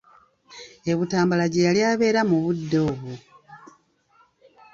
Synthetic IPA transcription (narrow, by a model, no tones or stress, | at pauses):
e̞βutaːmbalaɟejaljaːβe̞ːɾamuβudːo̞ːβu